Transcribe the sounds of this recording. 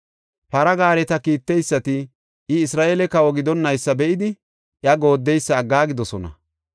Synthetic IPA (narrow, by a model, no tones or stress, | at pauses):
pɐɾɐɡaːɾɛt̪ɐkiːt̪ːɛjsːɐt̪ɪ | ʔɪɪsɾaːʔeːlɛkɐwɔɡɪd̪ɔnːɐjsːɐbɛʔɪd̪ɪ | ʔɪɐɡo̞ːd̪ːɛjsːɐːɡːaːɡɪd̪ɔsɔnɐ̰